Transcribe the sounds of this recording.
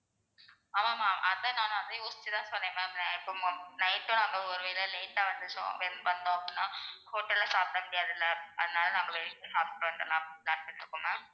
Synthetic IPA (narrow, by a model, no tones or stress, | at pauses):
aːmaːmaːʔɐðɐnaːnʊ̃ɐðeʊst͡ʃːɯt̪ãːsɔnːẽːmɐnãɪpːoːmnɐɪʈːõːnaːŋɡɐɔɾɯʋeːɪlɐleɪʈːaʋɐnd̪ɯt͡ʃõ̰ʋɛnʋɐnd̪õːɐpɽinːaːkoːʈːɐlɐsaːp̚ɽɐmʊɽɪjaːðɪlːɐɐðɯnaːlɐnaːŋɡɐʋɛɭɪk̪ːɐsaːp̚t̪ɪɾʋeːɳɖɾɐ̰lːãːlaːnpɐɳɪɾɯkːɯŋɐ